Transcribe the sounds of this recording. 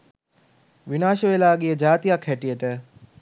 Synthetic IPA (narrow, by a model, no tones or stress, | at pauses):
ʋinaːʃəʋelaːɡejəd͡ʒaːt̪ijakʰɦæʈijəʈə